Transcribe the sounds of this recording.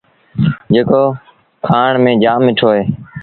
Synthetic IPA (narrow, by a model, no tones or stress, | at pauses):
d͡ʒeːkoː | kʰaːɳmẽːd͡ʒaːmɪʈʰoːɦeː